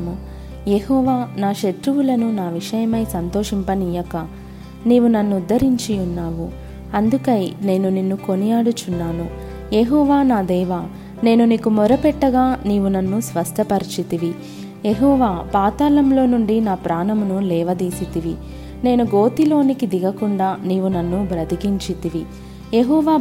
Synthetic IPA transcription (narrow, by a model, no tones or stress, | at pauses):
mu | jeɦɔːʋaːnaːʃet̪ɾuwulɐnunaːʋiʂɐjɐmɐjsɐnt̪oːʂimpɐniːjɐkɐ | niːʋunɐnːuːd̪ːɐɾiɲt͡ʃiunːaːʋu | ɐnd̪ukɐjne̞ːnuninːuko̞nijaːɽut͡ʃunːaːnu | jeɦɔːʋaːnaːd̪ɛːʋaː | ne̞ːnuniːkumɔɾɐpɛʈːɐɡaːniːʋunɐnːusʋɐst̪ʰɐpɐɾit͡ʃit̪iʋi | jeɦɔːʋaːpaːt̪aːlɐmlo̞ːnuɳɖinaːpɾaːnɐmunulɛːʋɐd̪iːsit̪iʋi | ne̞ːnuɡo̞ːt̪ilo̞ːnikid̪iɡɐkuɳɖaːniːʋunɐnːubɾɐd̪ikiɲt͡ʃit̪iʋi | jeɦɔːʋaː